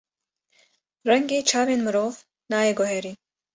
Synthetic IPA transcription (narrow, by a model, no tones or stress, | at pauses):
ɾɐŋɡet͡ʃʰaːwenməɾoːf | nɑːjeɡoɦeːɾi